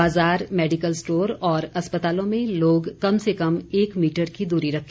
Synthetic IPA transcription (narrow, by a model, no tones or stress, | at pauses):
aːzaːɾmɛːɖɪkəlsʈoːɾɔːɾɐspət̪aːlõmẽloːɡkɐmsekɐmeːkmiːʈəɾkid̪uːɾiɾɐkʰ